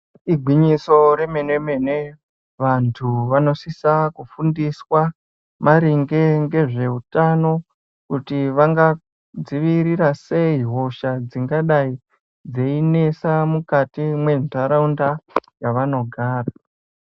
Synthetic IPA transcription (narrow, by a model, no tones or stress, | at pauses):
iɡʱwiɲiso̞ɾe̞mene̞me̞ne | ʋantʰuʋano̞sisakufundiswa | maɾiŋɡe̞ŋɡe̞ʐe̞utano̞ | kutiʋaŋɡa | d͡ziʋiɾiɾase̞iɦo̞ʃad͡ziŋɡaɗai | d͡zeine̞samukatimwe̞ntʰaɾaundajaʋano̞ɡʱaːra